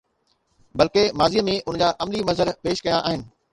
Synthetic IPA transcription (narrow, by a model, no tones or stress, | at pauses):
bɐlkemaːzimẽʔʊnd͡ʑaːʔɐmlimɐzəɾpeːʃkɐjaʔaːɦɪnɪ̆